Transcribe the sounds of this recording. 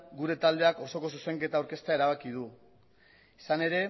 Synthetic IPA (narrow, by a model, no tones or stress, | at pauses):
ɡuɾe̞t̪ald̪e̞ako̞so̞ko̞suse̞ŋke̞t̪awɾke̞st̪ae̞ɾaβ̞akið̞u | isane̞ɾe̞